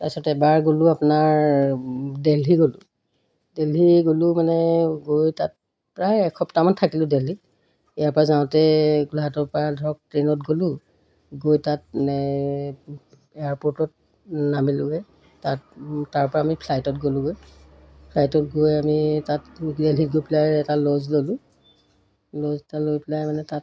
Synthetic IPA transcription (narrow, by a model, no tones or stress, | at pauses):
tasɔtɛbaɹɡolʊapnaɹ | deliɡolʊ | deliɡolʊmanɛɡojtat̚ | pɹajɛkʰɔptamantʰakilʊ̃deli | ijaɹpɔɹazaʊ̃tɛɡulɦatɔɹpɔɹadʱɔɹɔk̚tɹenɔt̚ɡolʊ̃ | ɡojtat̚manɛ | ejaɹpoɹtɔt̚ | namilʊɡɛ | tattaɹpɔɹaːmipʰlajtɔt̚ɡolʊ̃ɡoj | pʰlajtɔt̚ɡojamitatdelitɡojpɛlajɛtalozlolʊ̃ | loztalojpɛlajmanɛtat̚